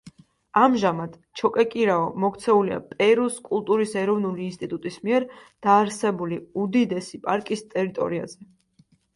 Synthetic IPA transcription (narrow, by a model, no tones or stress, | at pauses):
amʒamad̪̥ | t͡ʃʰɔkʼɛkʼiɾaɔmɔkt̪sʰɛulia̰pʼɛɾuskʼulˠt̪ʼuɾisɛɾɔvnuliːnst̪ʼit̪ʼut̪ʼismiɛɾd̪̥aːɾsɛbuliud̪id̪ɛsipʼaɾkʼist̪ʼɛɾit̪ʼɔ̰ɾia̰zɛ